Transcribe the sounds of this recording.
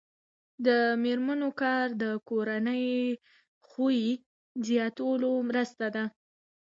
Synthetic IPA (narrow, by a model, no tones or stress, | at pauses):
d̪əmeɾmanokɑɾd̪əkoɾanəj | xuji | zjɑt̪wlomɾəst̪ad̪a